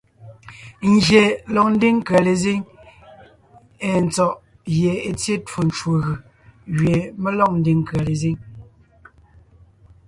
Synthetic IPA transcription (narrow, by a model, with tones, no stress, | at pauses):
n̩˨d͡ʒe˨lɔ˨k̚n̩˦de˦ŋ˦ka˨le˨ze˦ŋ | e˨n̩˨t͡sɔ˨ʔ | je˨e˨t͡sje˦two˨n˨t͡ʃwo˨ɣɯ˨ | ɣɥe˨me˦lɔ˦k̚n̩˦de˨ŋ˦˨ka˨le˨ze˦ŋ